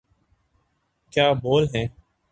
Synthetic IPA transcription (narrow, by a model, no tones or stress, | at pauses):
kjaːboːlɦɛ̃ː